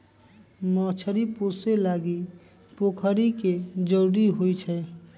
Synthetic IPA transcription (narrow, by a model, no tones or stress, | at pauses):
mɔːt͡ʃʰəɾiposelaːɡi | poːkʰəɾiked͡ʒəɾɾiɦoit͡ʃʰɛ